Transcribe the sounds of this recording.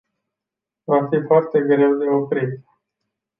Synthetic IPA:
vafifoart̪e̞ɡɾe̞wd̪e̞o̞pɾit̪

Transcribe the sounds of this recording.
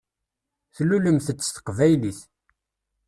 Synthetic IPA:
θluləmθət͡sːə̥sθə̥qvæjliθ

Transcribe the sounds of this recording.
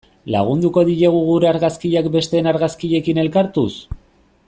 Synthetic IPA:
laɣ̞und̪uko̞ðiɾeɣuɣuɾeaɾɣaskiʎakbe̞st̪e̞ːnaɾɣaskiʎe̞kine̞lkaɾt̪us

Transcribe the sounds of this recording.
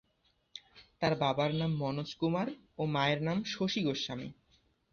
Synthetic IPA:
t̪aɾbabaɾnamːɔnoskumaɾ | omaeɾnamʃoʃiɡoʃːamḭ

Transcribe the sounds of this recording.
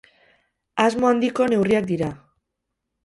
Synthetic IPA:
azmo̞and̪iko̞ne̞wriak̚d̪iɾa

